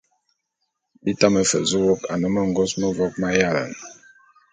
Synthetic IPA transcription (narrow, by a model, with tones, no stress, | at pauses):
bi˦ta˦mə˨fə˨zu˦wo˦ka̰˨nə˦mə˦ŋ˨ɡo˦smə˦vɔ˦k̚ma˦ja˦la̰˨n